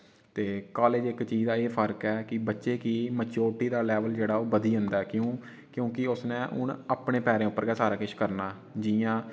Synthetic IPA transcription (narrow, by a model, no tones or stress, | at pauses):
t̪eːkaːleːd͡ʒɪkt͡ʃiːd͡ʒd̪aːeːpʰəɾkɛːkɪbətːʃeːkiːmət͡ʃoːʈːiːd̪aːlɛːʋəld͡ʒeːɽaːoːbəd̪iːɦʊ̃nd̪aːkjõː | kjõːkɪʊsnẽːʔʊ̰ɳapɳẽːpɛːɾẽːʊpːəɾɡɛːsaːɾaːkɪʃʰkəɾnaː | d͡ʒɪjãː